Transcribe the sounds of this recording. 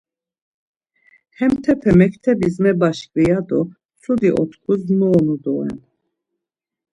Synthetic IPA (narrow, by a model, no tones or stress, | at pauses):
hɛmt̪ʰɛpʰɛmɛkʰt̪ʰɛbismɛbaʃkʼvijad̪ɔ | sud̪iʔɔ̰t̪kʰusnɔːnud̪ɔɛ̰n